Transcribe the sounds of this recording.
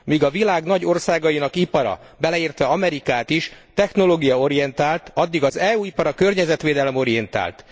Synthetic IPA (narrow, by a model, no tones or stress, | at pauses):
miːɡɒvilaːɡnɒɟo̞rsaːɡɒjinɒkipɒɾɒ̰ | bɛlɛiːrt̪ʋɛɒmɛɾikaːt̪iʃt̪ɛxno̞loːɡijɒo̞ɾijɛnt̪aːlt̪ɒd̪ːiɡɒzɛːuːipɒɾɒkø̞rɲɛzɛt̪ʋeːd̪ɛlɛmo̞ɾijɛnt̪a̰ːlt̪